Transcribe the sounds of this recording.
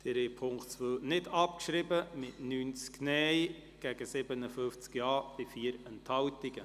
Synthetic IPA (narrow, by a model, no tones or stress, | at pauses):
d̪̥ɪɾepʰʊŋkt͡sʋøːnɪdɑp̚kʃɾɪbəmɪtnyːnt͡sknɛj | ɡ̥ɛɡ̥əsɪbənəfʏft͡skjɑːb̥ɪfiːəɾəntʰhɑwtɪɡə